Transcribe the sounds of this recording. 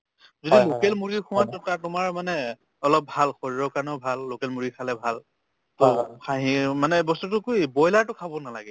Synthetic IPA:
zodilokɛlmuɹikʰʊwatɔkatʊmaɹmanɛ | ɔlɔp̚bʱalxɔɹiɹɔkanɔbʱalːokɛlmuɹikʰalɛbʱal | tɔxʰaɦĩmanɛbɔstutʊkujbɔjlaɹtʊkʰabɔnalaɡɛ

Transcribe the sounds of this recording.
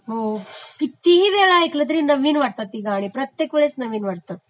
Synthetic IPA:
ɦokit̪iɦiːʋeɭajklət̪̬əɾiːnəʋiːnʋəɽt̪at̪ːiɡaːɽ̃ipɾət̪jekʋeɭet͡snəʋiːnʋəɽt̪at̪

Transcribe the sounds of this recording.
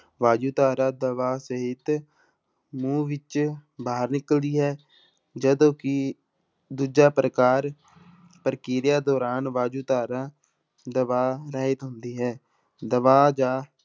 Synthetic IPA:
ʋaːd͡ʒuːt̪aːɾãːd̪əʋaːsəɦɪt̪ | mũːʋɪt͡ʃbaːəɾnɪkəld̪iːɦɛː | d͡ʒəd̪õːkɪ | d̪uːd͡ʒaːpɾəkaːɾ | pəɾkiːɾjaːd̪ɔːɾaːnʋaːd͡ʒuːt̪aːɾãː | d̪əʋaːɾəɦɪt̪ɦʊnd̪iːɦɛː | d̪əʋaːd͡ʒaː

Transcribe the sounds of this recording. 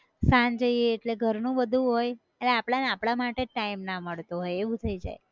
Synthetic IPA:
sand͡ʒəieːʈleɡʱəɾnũbəd̪ʱũɦoj | eleapɽaneapɽ̃amaʈeʈaimnaməɭt̪oɦojeʋũt̪ʰəid͡ʒa̰j

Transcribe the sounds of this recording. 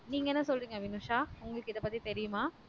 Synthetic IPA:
niːŋɡɐɛnːɐsɔlriːŋɡɐʋɪnuːʂaːʊŋɡɐɭɯkːɪðɐpɐt̪ːit̪ɛɾɪjʊmaː

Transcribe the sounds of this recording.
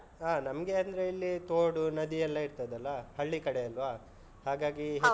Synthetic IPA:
aːnɐmɡeɐnd̪ɐɾe̞ilːit̪oːɽunɐd̪iɛlːɐiɾt̪ɐd̪ɐlːɐhɐɭːikɐɽejɐlʋa | haːɡaːɡiɦ

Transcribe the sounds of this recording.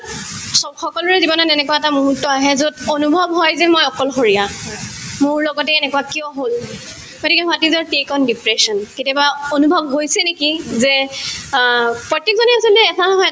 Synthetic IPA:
sɔxɔkɔlɔɹɛzibɔnatɛnɛkuwaɛtamuɦutːɔaɦɛzodonubʱɔbɦɔjzɛmojɔkɔlxoɹija | mʊɹlɔɡɔtɛɛnɛkuwakiɔɦol | ɡotikɛɦɔatizɔɹtekɔndipɹɛsɔnketiabaonubʱɔbɦojsɛnekizɛ | pɹɔtːekzɔniasɔltɛːtʰanɔɦɔj

